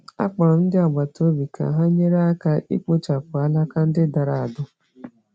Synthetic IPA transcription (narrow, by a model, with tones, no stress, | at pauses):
a̰˦k͡pa˨ɾʊ˨n̩˦dɪ˦a˨ɡ͡ba˨to˦bi˨kʰa̰˨ɦa˦ɲe˦ɾa˦a˦ka˦ʔḭ˦k͡pʊ˦t͡ʃa˨pʊ˨a˦la˦ka˦n̩˦dɪ˦da˨ɾa˨a˨dʊ˦